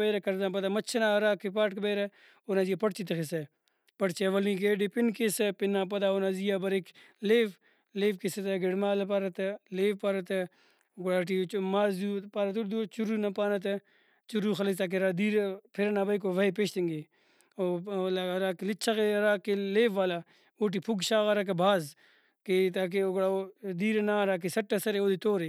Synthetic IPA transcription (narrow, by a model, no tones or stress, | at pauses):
bɐjɾɐkɐɾd̪ap̬ɐd̪aːmɐt͡ʃʰɐnaɐɾaːkipaːʈkbeɾɐ | onaːzijapɐʈt͡ʃit̪̬ɐxise | pɐʈt͡ʃeʋɐlĩːɡeːɖipinkesepɪnːaːp̬ɐd̪aːonazijabɐɾek | leːʋ | leːfkiset̪ɐɡeɽmaːlɐp̬aɾɐt̪ɐleːʋpaɾɐt̪ɐ | ɡʊɽaːʈ̬imaːzuːpaːɾɐt̪̬uɾd̪ut͡ʃuɾuːnɐpaːnɐt̪̬ɐ | t͡ʃuɾuxɐlɐst̪aːk̬eɾaːd̪iːɾepʰiɾɐnaːbɐjk̬oʋɐipeʃt̪ɐŋɡe | oːlaɾaːkelit͡ʃʰɐɣeɾaːkeleːʋːaːla | oːʈ̬ipʰuɡʃaːɣɐɾak̬ɐbʱaːz | ket̪aːk̬eoɡɽaod̪iːɾenaːɾaːk̬isɐʈːɐsɐɾeoːd̪it̪oːɾe